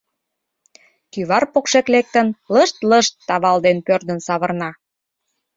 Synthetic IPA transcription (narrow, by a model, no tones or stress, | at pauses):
kyβɑrpokʃeklek̚t̪ənləʃt̪ləʃt̪ːɑβɑld̪enpørd̪ənsɑβərnɑ